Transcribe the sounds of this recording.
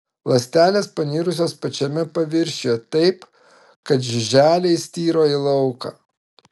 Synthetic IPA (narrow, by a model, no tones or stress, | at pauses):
lˠɐsʲt̪ʲæːlʲeːspɐnʲiːɾʊsʲoːspɐt͡ʃʲɛmʲɛpɐʋʲɪɾʲʃʲeːt̪ɐɪp | kɐt̪ʒʲɪʒʲæːlʲɛɪsʲt̪ʲiːɾoːilˠɐʊkɐ̰ː